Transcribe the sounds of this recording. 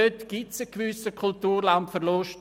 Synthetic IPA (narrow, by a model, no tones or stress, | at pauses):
øtɡ̥ɪtsəkʋʏsəkʰʊltuːrlɑnpfərloʃ